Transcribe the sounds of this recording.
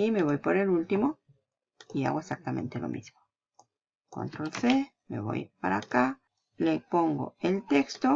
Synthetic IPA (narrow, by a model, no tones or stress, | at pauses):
ime̞βo̞jpoɾelult̪imo | ia̰ɣoesak̚t̪amẽ̞nt̪elʔo̰mizmo | ko̰nt̪ɾolse | mḛβo̰jpaɾaka | lepoŋɡo̰elt̪ekst̪o